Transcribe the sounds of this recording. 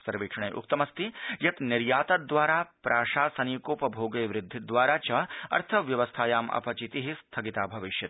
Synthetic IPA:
sɐɾʋiːkʂɐɳ̃ɐjʔʊ̰k̚t̪ɐmɐst̪ʰijɐt̪nɪɾjaːt̪ɐd̪ʋaːɾaːpɾʔaːʂaːsɐniːkoːpɐbʱoːɡɐjʋɾɪd̪ʱːid̪ʋaːɾaːt͡ʃɐɐ̰ɾt̪ʰɐʋjɐʋɐst̪ʰaːjaːmɐ̰pɐt͡ʃit̪iɦist̪ʰɐɡit̪aːbʱɐʋɪʃjɐt̪

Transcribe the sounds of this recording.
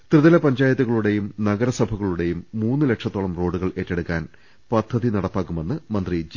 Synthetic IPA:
t̪rɨðɐlɐpɐɲd͡ʑaːjɐt̪ːuɣɐɭuɽe̞jumnɐɡɐɾɐsɐbʱɐɣɐɭuɽe̞jumːuːnːɨle̞kʂɐt̪ːoːɭɐmro̞ːɖːuɣɐɭe̞ːtːeɽukːaːn | pɐd̪ʱːɐðinɐɽɐpːaːkːume̞nːɨmɐnd̪rid͡ʑ

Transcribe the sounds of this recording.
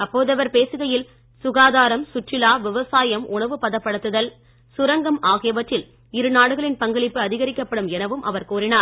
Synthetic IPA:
ɐpːoːðɐʋɐɾpeːsɯɣɐjɪl | sʊɣaːðaːɾɐmsʊʈrɪlaːʋɪʋɐsaːjɐmʊɳɐʋɯpɐðɐpːɐɽɯt̪ːɯðɐl | sʊɾɐŋɡɐmaːɣɪjɐʋɐʈrɪl | ɪɾɯnaːɽɯɣɐɭɪnpɐŋɡɐɭɪpːɯɐðɪɣɐɾɪkːɐpːɐɽɯmɛnɐʋɯmʔɐ̰ʋɐɾkuːɾɪnaːɾ

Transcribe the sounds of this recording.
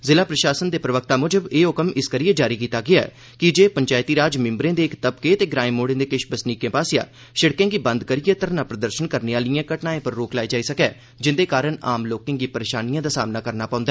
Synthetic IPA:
zɪlaːpɾəʃaːsənd̪eːpɾəʋək̚t̪aːmʊd͡ʒəbeːʊkəmɪskəɾijeːd͡ʒaːɾiːkiːt̪aːɡɪaɛ̰ | kɪd͡ʒeːpəɲt͡ʃaːjt̪iːɾaːd͡ʒmɪ̃mbɾẽːd̪eːɪkt̪əb̚keːt̪eːɡɾaːimoːɽẽːd̪eːkɪʃbəsniːkẽːpaːsja̰ː | ʃəɽkẽːɡiːbənd̪kəɾijɛːt̪əɾnaːpɾəd̪əɾʃənkəɾneːaːlijãːkəʈnaːẽːpəɾːoːklaːid͡ʒaːiːsəkɛː | d͡ʒɪnd̪eːkaːɾəɳa̰ːmloːkẽːŋɡiːpəɾeːʃaːnijãːd̪aːsaːmnaːkəɾnaːpãʊ̃nd̪aɛː

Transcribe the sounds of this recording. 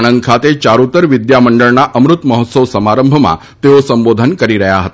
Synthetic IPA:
nənd̪̚kʰat̪et͡ʃaɾut̪əɾʋid̪jaməɳɖəɭnaʔəmɾut̪məɦɔt̪səʋsəmaɾəmbʱəmã̰ | t̪eosəmbod̪ʱənkəɾiɾəɦjaɦət̪a

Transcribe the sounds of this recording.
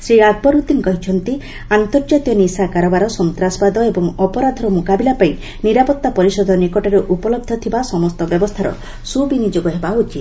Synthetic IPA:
sɾiɾad̪̚bɔɾut̪iŋkɔɦit͡ʃʰɔnt̪i | ant̪ɔɾd͡ʒat̪jɔnisakaɾɔbaɾɔsɔnt̪ɾasɔpad̪ɔebɔŋɔpɔɾad̪ʱɔɾɔmukabilapai | niɾapɔt̪ːapɔɾisɔd̪ʱɔnikɔʈɔɾeʔupɔlɔb̚d̪ʱɔt̪ʰibasɔmɔst̪ɔbjɔbɔst̪ʰaɾɔ̰ | subinid͡ʒoɡɔɦebaut͡ʃit̪

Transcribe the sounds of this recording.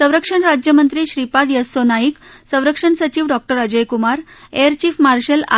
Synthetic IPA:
sə̃w̃ɾəkʂəɳɾad͡ʑjəmənt̪ɾiːɕɾipad̪jəsonaiksə̃w̃ɾəkʂəɳsət͡ɕiːʋɖɔk̚ʈəɾəd͡ʑəjkumaɾeɾt͡ɕiːfmaɾɕəla̰

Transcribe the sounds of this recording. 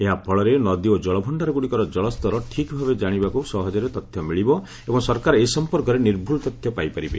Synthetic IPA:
eɦapʰɔɭɔɾenɔd̪iod͡ʒɔɭɔbʱɔɳɖaɾɔɡuɽikɔɾɔd͡ʒɔɭɔst̪ɔɾɔʈʰikbʱabed͡ʒaɽ̃ibakusɔɦɔd͡ʒɔɾet̪ɔt̪ʰjɔmiɭibɔ | ebɔŋsɔɾkaɾesɔmpɔɾkɔɾeniɾbʱulɔt̪ɔt̪ʰjɔpajpaɾibḛ

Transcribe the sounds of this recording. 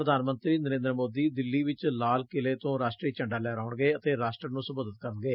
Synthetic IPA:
ɾəd̪ʱaːnmənt̪ɾiːnəɾẽːnd̪ɾəmoːd̪iːd̪ɪlːiːʋɪt͡ʃlaːlkɪleːt̪õːɾaːsʈɾiːt͡ʃəɳɖaːlɛːɾaːʊɳɡeːət̪eːɾaːsʈɾənũːsəboːd̪ət̪kəɾənɡeː

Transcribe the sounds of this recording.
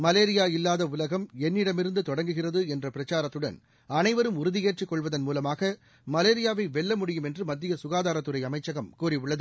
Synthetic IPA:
mɐleːɾɪjaːɪlːaːðɐʊlɐɣɐmɛnːɪɽɐmɪɾɯnd̪ɯt̪ɔɽɐŋɡɯɣɪrɐðɯɛndrɐpɪɾɐt͡ʃaːɾɐt̪ːɯɽɐ̰n | ɐnɐɪʋɐɾɯmʊɾɯðɪeːʈrɪkːɔɭʋɐðɐnmuːlɐmaːɣɐ | mɐleːɾɪjaːʋɐɪʋɛɭːɐmʊɽɪjɯmɛndrɯmɐd̪ːɪjɐsʊɣaːðaːɾɐt̪ːɯɾɐɪɐmɐɪt͡ʃːɐɣɐmkuːɾiʊɭːɐðɯ

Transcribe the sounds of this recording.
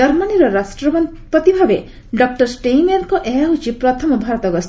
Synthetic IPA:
ɔɾmaniɾɔɾasʈɾɔbn | pɔt̪ibʱabe | ɖɔk̚ʈɔɾsʈejmeɾkɔʔeut͡ʃipɾɔt̪ʰɔmɔbʱaɾɔt̪ɔɡɔst̪

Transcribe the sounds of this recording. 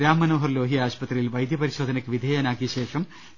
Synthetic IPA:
ɾaːmːɐnoːɦɐrlo̞ːɦijaːɕpɐt̪rijilʋɐjd̪jɐpɐɾiɕo̞ːd̪ʱɐnɐkːɨʋid̪ʱeːjaːnaːk̬ːiɕe̞ːʂɐm

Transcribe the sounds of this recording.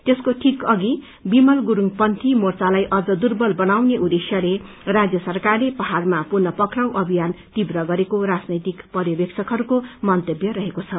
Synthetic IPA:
t̪eskoʈʰikʌɡi | bimʌlɡuɾuŋɡpʌnt̪ʰimort͡salajʔʌd͡zʌd̪urbʌlbʌnawneʔud̪esjʌle | rad͡zjʌsʌrkarlepʌɦarmapurnʌpʌkraw̃ʔʌbʱijant̪ibrʌɡʌɾekoɾad͡znʌjt̪ikpʌɾjʌbjeksʰʌkɦʌɾukomʌnt̪ʌbjʌɾʌɦekot͡sʰʌ

